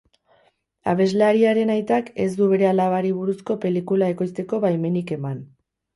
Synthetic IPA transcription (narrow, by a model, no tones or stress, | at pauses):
a̰β̞e̞zleaɾiaɾe̞najt̪ake̞zd̪uβ̞e̞ɾe̞alaβaɾiβ̞uɾusko̞pe̞likulae̞ko̞jst̪e̞ko̞βajme̞nike̞man